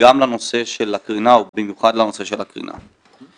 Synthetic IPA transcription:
amlano̞se̞ʃelakʁinaubimjuχadlano̞seʃelakʁḭnʔa̰

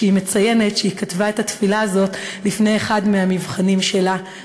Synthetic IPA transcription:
ime̞t͡sajene̞tʃeikatvaethatfilaazo̞tlifne̞jeχadmeɦamivχanimʃe̞la

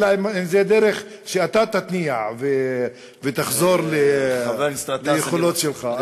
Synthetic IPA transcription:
laemimzed̪eɾeχ | ʃeat̪at̪at̪niaʕve | vet̪aχzo̞ʁlevest̪ʁatlejeχolo̞t̪ʃelχa

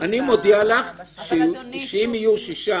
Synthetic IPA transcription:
ʔanimod̪ialaχʃeʃeimijuʃiʃa

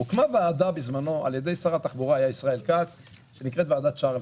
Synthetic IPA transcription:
ukmavaːd̪abizmano̞a̰ljed̪e̞jsaʁat̪aχbuʁaajaisʁae̞lkat͡s | ʃenikʁet̪vaːd̪at̪ʃaʁl

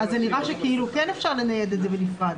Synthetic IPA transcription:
azːeniʁaʃekiilukene̞fʃaʁlenajed̪et̪zebenifʁad̪

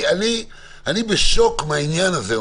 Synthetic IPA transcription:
ani | anibeʃokmainjanaze

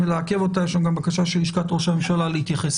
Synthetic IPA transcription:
eleakevo̞tajeʃamɡambakaʃaʃeliʃkat̪ʁoʃame̞mʃalalehit̪jaχes

